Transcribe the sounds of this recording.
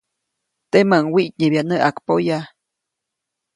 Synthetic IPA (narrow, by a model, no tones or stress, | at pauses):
t̪emaŋwiʔc̚ɲebjaʔnəʔakpoja